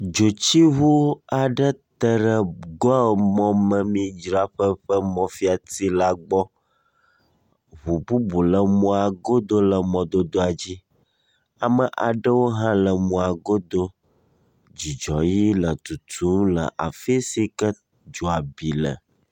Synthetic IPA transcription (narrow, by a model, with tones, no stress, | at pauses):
d͡ʒo˨t͡ɕi˦ɦu˦a˨ɖə˦t̪ə˦ɖə˨ɡɔ˦˨mɔ̃˦mə̃˨mĩ˦d͡ʒɾa˦ɸə˦ɸə˦mɔ̃˦fi˦a˨t̪i˦la˦ɡ͡bɔ˦ | βu˨bu˦bu˨lə˨mɔ̃˦a˨ɡo˦d̪o˦lə˨mɔ̃˨d̪o˦d̪o˦a˨d͡ʑi˦ | a˨mə˨ʔa̰˨ɖə˦wo˦ɦã˦lə˨mɔ̃˨a˨ɡo˦d̪o˦ | d͡ʑi˨d͡ʒɔ˨ji˦lə˨t̪u˨t̪ʰu˦mlə̰˨ʔa̰˨fi˦si˦kə˦ | d͡ʒo˨a˨bi˨lə̰˨